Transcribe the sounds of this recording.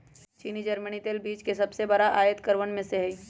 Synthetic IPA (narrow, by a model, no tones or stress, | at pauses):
t͡ʃiːnid͡ʒəɾmənit̪eːlbiːt͡ʃkesɐbsebəɾaʔaːjət̪kəɾʋənmẽseɦɛi